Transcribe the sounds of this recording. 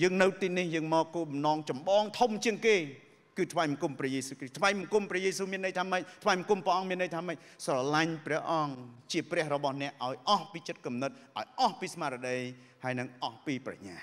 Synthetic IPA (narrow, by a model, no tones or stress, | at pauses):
jəːŋnɨwt̪iːnihjəːŋmɔːkːoːɓɑmnɑːŋt͡ɕɑmɓɑːŋt̪ʰumt͡ɕiəŋkeː | kɨːt̪ʰʋajmkumprɛ̆əhjeːsuːkrisht̪ʰʋaːjmukumprɛ̆əjeːsuːmiənːəjt̪ʰaːməc̚t̪ʰʋajmkumprɛʔɑŋmiənːəjt̪ʰaːməc̚ | srɑlaɲprɛ̆əhʔɑŋt͡ɕiəprɛ̆əhrɔɓɑhnɛ̆əʔːaɔjʔɑhpiːt͡ɕɨt̪̚kumnɨt̪̚ʔaɔjʔɑhpiːsmaːɾəɗəj | haəjnɨŋʔɑhpiːpra̰ɲaː